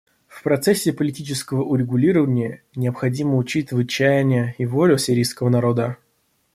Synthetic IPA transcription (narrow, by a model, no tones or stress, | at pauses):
fpɾɐt̪sɛsʲːɪpəlʲɪtʲit͡ɕɪskəvəʔʊɾʲɪɡʊlʲiɾəvənʲɪjə | nʲɪəpxɐdʲiməʊt͡ɕit̪ʲɨvɨt͡ɕːæjɪnʲɪjəivolʲʊsʲɪɾʲijskəvənɐɾo̞d̪ə